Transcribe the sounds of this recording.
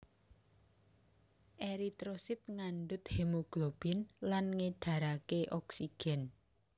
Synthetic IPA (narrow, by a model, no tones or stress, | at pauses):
ʔeɾit̪ɾosɪt̪̚ŋanɖʊt̪̚hemoɡ̥lob̥ɪnlanŋeɖ̥ä̤ɾakeʔɔksiɡ̥ɛ̤n